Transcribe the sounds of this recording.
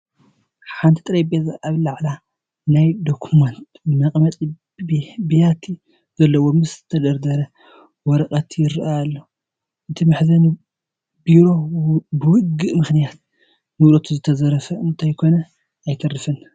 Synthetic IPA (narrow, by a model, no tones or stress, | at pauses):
ħant̪ʰit̪ʼɨɾɐjbezaʔaβlaʕla | najd̪okʰumɐnt̪ | nɐkʼmɐt̪ʼ | bijat̪ʰi | zɐlːɐwomɨst̪ʰɐd̪ɐɾd̪ɐɾɐ | wɔɾɐkʼɐt̪jɪɾʔaalːo | ʔɨt̪ʰimɨħzɐn | biɾo̞bɨwʊɡɨʔmɨxnijat̪̚ | nɨwlot̪ʰuzɨt̪ʰɐzɐɾɐfɐɨnt̪ʰajkʰo̞nɐ | ajt̪ʰɐrɨfɨn